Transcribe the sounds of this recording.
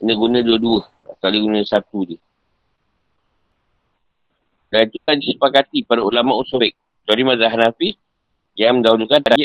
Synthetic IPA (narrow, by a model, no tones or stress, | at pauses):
unəɡunəduəduə | a̰t̪adəɡunasat̪udiə | dait̪ukadisipakat̪ipadaulamaʔusobɛk̚ | t̪oɾimazaɦanafi | jaməndaulukan